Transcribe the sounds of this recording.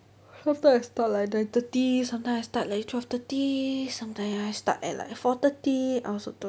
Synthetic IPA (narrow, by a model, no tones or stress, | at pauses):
sãmt̪ãjmast̪at̚laj̚dãjt̪ət̪isãmt̪ãjmajst̪at̚lajt̪ʰwɛft̪ət̪isãmtãj̃majst̪a̰tɛ̰la̰jfɔt̪ət̪iʔawsot̪u